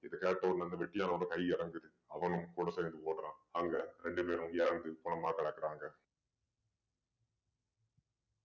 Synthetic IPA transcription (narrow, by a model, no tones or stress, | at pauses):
ɪðɐkeːʈːɐːɾnɐnd̪ɐʋɛʈːɪjaːnɐɔɾɯkɐɪɪɾɐŋɡɯðɯ | ɐʋɐnɯmkuːɽɐseːnd̪ɯoːʈːɾãːaːŋɡɐɾɛɳɖɯpeːɾɯ̃mjɛːɾɐnd̪ɯkʊɳɐmaːkɐɽɐkːɪɾaːŋɡɐ